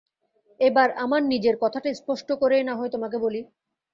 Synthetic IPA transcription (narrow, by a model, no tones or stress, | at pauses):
ebaɾamaɾnid͡ʑeɾkɔt̪ʰaʈajspɔʃʈokoɾenaɦoet̪omak̬eboli